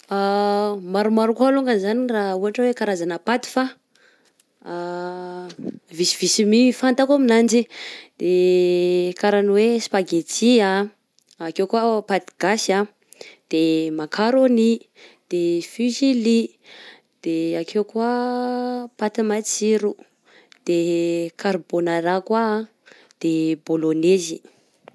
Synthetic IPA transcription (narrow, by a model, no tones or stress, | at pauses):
amaɾumaɾukualuŋɡəzanirauɦaʈ͡ʂəwekaɾazanəpat̪i̥fa | visiv̥isimifant̪akaminand͡ʒid̪̥e | kaɾaniwespaɡet͡siaː | kewkuapat̪i̥ɡ̥asa | d̪̥emakʰaɾoni | d̪̥efyʒili | d̪̥eakʰewkwa | pat̪imat͡siɾu | d̪̥ekʰaɾbonaɾakwa | d̪̥ebolonezi